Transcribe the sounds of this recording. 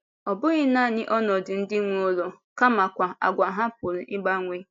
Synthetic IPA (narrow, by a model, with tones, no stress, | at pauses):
ɔ˨bʊ˦ɣɪ˦na˦˨nɪ˦ʔɔ˦nɔ˨dɪ˨n̩˦dɪ˦ŋʷo˦lo˨ | ka˦ma˨kʷa˨a̰˨ɡʷa˨ɦa˦pʊ˨ɾi˨ʔɪ˦ɡ͡ba˦ŋʷe˦